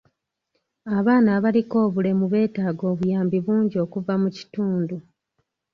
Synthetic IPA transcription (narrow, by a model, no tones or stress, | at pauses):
aβaːnaːβaliko̞ːβule̞muβe̞ːtaːɡo̞ːβujaːmbiβuːɲɟio̞ːkuvamuci̥tuːndu